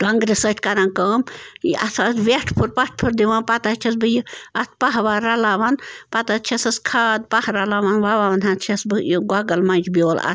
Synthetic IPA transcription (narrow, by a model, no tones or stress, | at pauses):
kɐŋɡɾɨsəʈʰʲkɐɾaːnkəːmiʔɐ̰t̪ʰɐt̪ʋeʈʰpʰuɾpɐʈ̚ʰpʰɨɾd̪iʋaːnpɐt̪at͡ʃʰɐsbɨjiɐt̪ʰpɐɦʋaːɾɐlaːʋɐnpɐt̪at̪̚t͡ʃʰɐsɐskʰaːd̪̚pɐhɾɐlaːʋanʋaʋaːʋɐnɦɐt̪̚t͡ʃʰɐsbɨjiɡwɐɡɐlmɐnʲd͡ʒbʲoːlɐ̰t̪ʰ